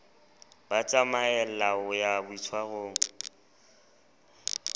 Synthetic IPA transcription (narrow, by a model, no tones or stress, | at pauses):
bat͡sʼamaɛl̩laʊjabʊit͡sʰwahoːŋ̩